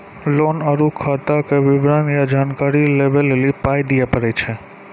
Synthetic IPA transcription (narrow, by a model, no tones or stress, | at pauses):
lonəɾukʰːat̪akeʋɪbɾanjad͡ʒaːnkaɾilebelelipajd̪ijapəɾet͡ʃʰe